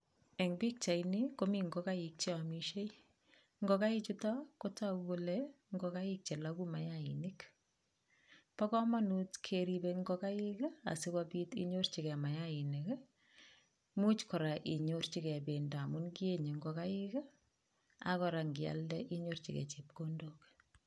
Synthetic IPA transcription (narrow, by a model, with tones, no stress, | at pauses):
ɛ˨ŋbi˦k̚t͡ʃa˨ini˦ko˦mi˦ŋɡo˦ka˦jik̚t͡ʃe˦amiʃe˦j | ŋɡɔka˦ɪ˦t͡ʃu˦ta˦ko˦ta˦u˦ko˦lɛ | ŋɡɔ˨ka˦i˦k̚t͡ʃe˨laku˦ma˨jaḭni˦k | pɔ˦kɔ˦ma˦nu˦tkʰeɾibeŋɡɔka˦ji˦ka̰˨sɪ˦ka˦pi˦tḭɲo˦rt͡ʃi˨kɛ˨ma˨jai˨ni˨k | mu˦t͡ʃkɔ˨ɾa˨ʔi˨ɲort͡ʃi˦kɛ˨be˨nda˨mu˦nki˦e˦ɲe˨ŋɡɔka˦ɪk | a̰kɔ˨ɾa˨ŋɡɪ˨a̰ldɛ˦ʔi˦ɲort͡ʃḭkɛ̰˨t͡ʃi˨p̚ko˦ndok